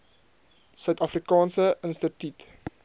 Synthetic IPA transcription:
sœɥtɐfrikɑːnsəʔənstətyt

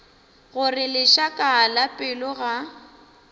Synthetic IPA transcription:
ɣʊrɪlɪʃakʼaːlapʼɪlʊɣa

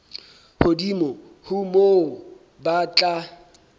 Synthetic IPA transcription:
hodimɔ | hʊmo | bat͡ɬʼa

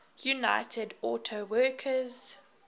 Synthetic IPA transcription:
juna̰ɪtʰədɔːˑtʰowɜːˑkʰəz̥

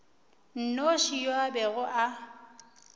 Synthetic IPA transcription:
n̩noʃijwabɛɣʊʔa

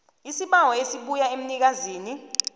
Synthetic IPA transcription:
isiɓawɔesiɓujaem̩nik̬aziːni

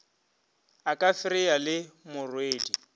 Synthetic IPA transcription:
akʼafɪɾɪalɪmʊrweːdi

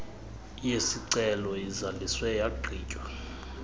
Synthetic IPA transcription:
jesiǀɛlɔjizaliswɛjaǃʱḭːcʼwa

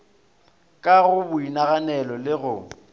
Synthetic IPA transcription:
kʼaɣʊbʊinaɣanɛlɔlɪɣʊ

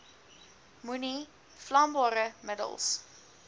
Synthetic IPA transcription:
muni | flɐmbɑːɾəmədə̰lˠs

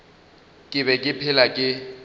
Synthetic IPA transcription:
kʼɪβɛkʼɪpʰɪlakʼɪ

